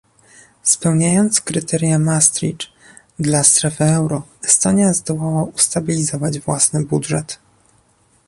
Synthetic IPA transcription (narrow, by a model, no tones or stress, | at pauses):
spɛwɲajɔnt̪skɾɘt̪ʰɛɾʲjamast̪ɾḭʈ͡ʂ | d̪last̪ɾɛfɘɛwɾɔɛst̪ɔɲjazd̪ɔwawaust̪abʲilʲizɔvad͡ʑvwasnɘbudʐɛt̪